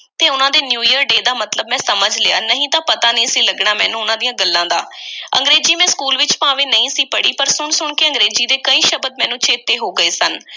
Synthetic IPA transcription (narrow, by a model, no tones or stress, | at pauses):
t̪eːʊnãːd̪eːnjuːjəɾɖeːd̪aːmət̪ləbmɛ̃ːsəməd͡ʒlɪa̰ːnəɦĩːt̪ãːpət̪aːnĩːsiːləɡɳaːmɛ̰̃ːnũːʊnãːd̪ijãːɡəlːãːd̪a̰ːʔə̰̃ŋɡɾeːd͡ʒiːmɛ̃ːskuːlʋɪt͡ʃpãːʋeːnəĩːsiːpəɽiːpəɾsʊɳsʊɳkɪə̃ŋɡɾeːziːd̪eːkəĩːʃəbəd̪̚mɛ̃ːnũːt͡ʃʰeːt̪eːɦoːɡəeːsən